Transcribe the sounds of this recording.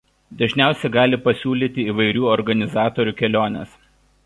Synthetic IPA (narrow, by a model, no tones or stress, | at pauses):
d̪ɐʒʲnʲæˑʊsʲɛɡɑːlʲɪpɐsʲuːlʲiːt̪ʲɪiːʋɐɪɾʲuːɔɾɡɐnʲɪzɑːt̪ɔɾʲuːkʲɛlʲoːnʲɛ̰s